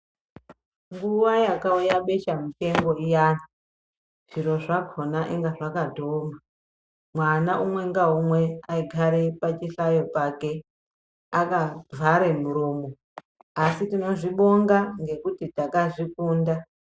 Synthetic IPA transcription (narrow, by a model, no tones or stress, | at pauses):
ŋɡuʋajakaujaɓe̞ʃamute̞ŋɡo̞ijaːni | ʐ̥iɾo̞ʐakʰonaʔeŋɡaʐakadʱoːma | mwanaʔumwe̞ŋɡaumwe̞aiɡʱaɾepat͡ʃiɬajo̞pake̞ | akavʱaɾe̞muɾuːmo̞ | asitino̞ʐiɓo̞ŋɡaŋɡe̞kutitakaʐikuːnda